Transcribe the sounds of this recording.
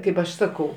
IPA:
ˈkɐɪp ɐʃ ˈsɑːkɐʊ

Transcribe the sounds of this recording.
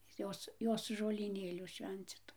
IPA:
ˈjoːs ˈjoːs ʒoːlʲiːˈnʲeːlʲuː ˈʃʲʋʲɛnʲt͡sʲɪtʊ

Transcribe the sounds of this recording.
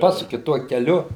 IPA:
ˈpɑːsʊkʲɪ ˈtuɔ kʲɛˈlʲʊ

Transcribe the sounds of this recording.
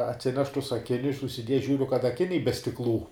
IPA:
ɐtʲˈsʲɪnʲɛʃ tʊs ɐˈkʲɪnʲʊs ʊʃʲsʲɪˈdʲiɛjɛ ˈʒʲuːrʲʊ kɐt ɐˈkʲɪnʲɛɪ bʲɛ sʲtʲɪkˈlˠuː

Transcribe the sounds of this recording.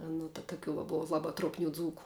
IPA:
ˈnʊ tɐ tɐˈkʲuː ʋɐ ˈboːʋɐ ˈlˠɑːbɐ truɔpʲˈnʲuː ˈd͡zuːkʊ

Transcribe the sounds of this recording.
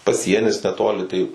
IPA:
pɐˈsʲiɛnʲɪs nʲɛˈtoːlʲɪ tɐɪ

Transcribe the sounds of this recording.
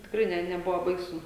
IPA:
tʲɪkˈrɐɪ ˈnʲɛ nʲɛˈbʊʋoː ˈbɐɪsʊ

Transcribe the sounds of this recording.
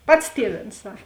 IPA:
ˈpɐts ˈtʲiɛˌʋʲeːns ˈsɐk

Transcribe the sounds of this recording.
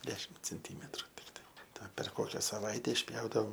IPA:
ˈdʲæːʃʲɪm t͡sʲɛnʲˈtʲiːmʲɛtrʊ ˈtʲɪktɐɪ ˈtɐ pʲɛr ˈkoːkʲɛ sɐˈʋɐɪtʲɛ ɪʃʲˈpʲjɛʊdɐʋoːm

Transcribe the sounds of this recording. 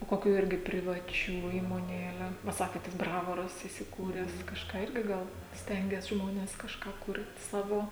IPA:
oː ˈkoːkʲuː ˈɪrʲɡʲɪ pʲrʲɪʋɐˈt͡ʃʲuː iːmoːˈnʲeːlʲɛ ʋɐ ˈsɑːkʲeːt tɐs ˈbrɑːʋoːrɐs iːsʲɪˈkuːrʲɛs kɐʃˈkɑː ˈɪrʲɡʲɪ ˈɡɐlˠ ˈsʲtʲɛŋʲɡʲɛs ˈʒmoːnʲɛs kɐʃˈkɑː ˈkʊrʲtʲ ˈsɑːʋoː

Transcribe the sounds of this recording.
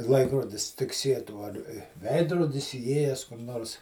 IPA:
ˈlˠɐɪkroːdʲɪs tʲɪkˈsʲiɛtuː ɐr ˈʋʲɛɪdroːdʲɪs iːˈeːjɛs kʊr ˈnoːrs

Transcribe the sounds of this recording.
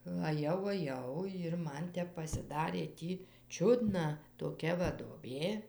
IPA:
ɐˈjɛʊ ɐˈjɛʊ jɪr ˈmɐn ˈtʲɛp pɐsʲɪˈdɑːrʲeː ˈtʲiː ˈt͡ʃʲʊdnɐ toːˈkʲɛ ʋɐ duɔˈbʲeː

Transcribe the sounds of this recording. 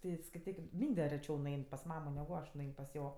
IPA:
ˈtʲɪ skɐɪˈtʲiːkʲɪm ˈmʲiːnʲdʲɛ rʲɛˈt͡ʃʲɛʊ nʊˈɛɪn pɐs ˈmɑːmoː nʲɛɡʊ ˈɐʃ nʊˈɛɪn pɐs ˈjoː

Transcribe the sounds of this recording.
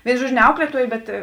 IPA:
ˈʋʲeːɪnʊ ˈʒuɔd͡ʒʲʊ nʲɛ ˈɐʊklʲiɛtuɔjeː ˈbʲɛt

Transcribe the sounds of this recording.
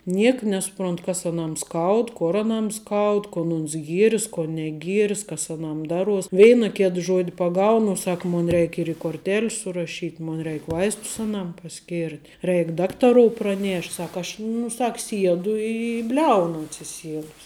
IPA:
ˈnʲiɛkɐ nʲɛsʊˈproːntʊ kɐs ɐˈnɐm ˈskɐʊt ˈkoːr ɐˈnɐm ˈskɐʊt koːn ˈoːns ˈɡʲiɛrʲɪs koː nʲɛˈɡʲiɛrʲɪs kɐs ɐˈnɐm ˈdɑːˌruɔs ˈʋʲɛɪnɐ ˈkʲeːt ˈʒuɔdʲɪ pɐˈɡɐʊnʊ ʊ ˈsɐk ˈmoːn ˈrʲɛɪkʲ ɪr ɪ koːrʲˈtʲeːlʲs sʊrɐˈʃʲiːtʲ ˈmoːn ˈrʲɛɪk ˈʋɐɪstʊs ɐˈnɐm pɐˈsʲkʲɪrʲtʲ ˈrʲɛɪk ˈdɑːktɐroːʊ prɐˈnʲeːʃʲtʲ ˈsɐk ˈɐʃ nʊ ˈsɐk ˈsʲiɛdʊ ɪ ɪ ˈbʲlʲɛʊnʊ ɐtʲsʲɪˈsʲiɛdʊs

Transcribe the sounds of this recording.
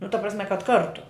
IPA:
nʊ tɐ prɐsʲˈmʲɛ kɐt ˈkɐrtʊ

